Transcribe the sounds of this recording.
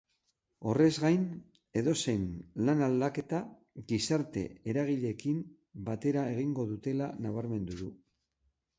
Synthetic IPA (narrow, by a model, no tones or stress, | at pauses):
o̞re̞zɣajn | e̞ðo̞se̞jnlanald̪ake̞t̪a | ɣisaɾt̪e̞̰eɾaɣ̞iʎe̞kim | bat̪e̞ɾae̞ɣ̞iŋɡo̞ðut̪e̞lanaβ̞aɾme̞nd̪uðu